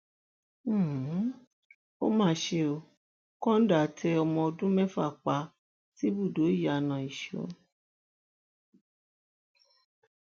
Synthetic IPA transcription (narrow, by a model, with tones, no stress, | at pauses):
o̰˦mãː˦ʃe˧o˧ | kɔ̃˦n̩˦da˨tʰɛ˧ɔ˧mɔ̃˧ɔ˧dũ˦mɛ̃˦fa̰˦˨k͡pa˧ | ti˦bu˦˨do˨˦i˦˨ja˨nã˨i˨ʃo̰˨˦